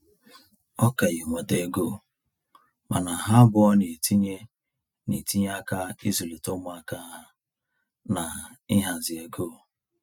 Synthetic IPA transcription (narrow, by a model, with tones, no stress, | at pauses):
ɔ˦ka˨ji˨ŋʷa˨de˨ɡo˦˨ | ma˨na˨ɦa˦bʊ˦ɔ˦ne˨tʰi˦ɲe˦ | ni˨ti˦ɲ˦a˦ka˦i˦zu˨le˨to˦mʊ˨˦a˦ka˦ɦa˦ | na˨ | ɪ˦ɦa˨zɪ˨e˨ɡoː˦˨